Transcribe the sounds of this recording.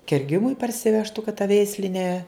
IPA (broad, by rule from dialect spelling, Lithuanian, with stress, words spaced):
kʲɛrʲˈɡʲɪmʊɪ pɐrʲsʲɪˈʋʲæːʃtʊ kɐt tɐ ˈʋʲɛɪsʲlʲɪ nʲɛ